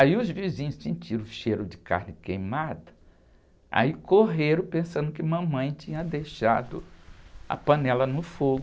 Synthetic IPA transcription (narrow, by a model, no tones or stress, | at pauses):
aiʊzvizĩɲʊssĩnt͡ʃiɾʊ̃ʃeɾʊ̃d͡ʒɪka̰ɾnɪkejmad̪ɐ | a̰ikoɦeɾɐ̃pẽsɐ̃nd̪ʊkɪmɐ̃mɐ̃j̃t͡ʃĩɲɐd̪ejʃad̪ʊ | ɐ̰pɐ̃nɛlɐnʊfoɡ